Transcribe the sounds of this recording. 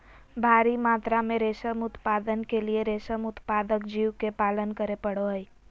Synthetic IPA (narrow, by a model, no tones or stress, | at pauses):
bʱaːɾimaːt̪ɾamẽɾeːʃəmʊt̪paːd̪ənkelieɾeːʃəmʊt̪paːd̪əkd͡ʒiːwkepaːlənkəɾepəɽoɦəi